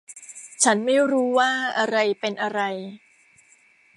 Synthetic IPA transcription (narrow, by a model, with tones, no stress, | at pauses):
t͡ɕʰa˦˥nma˥˩jɾuː˦˥waː˥˩ʔa˧ɾa˧jpe˧nʔa˧ɾa˧j